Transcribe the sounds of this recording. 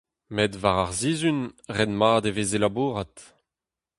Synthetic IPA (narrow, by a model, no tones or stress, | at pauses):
medvaʁaʁziːzynʁɛnmaːd̪evezelabuːʁat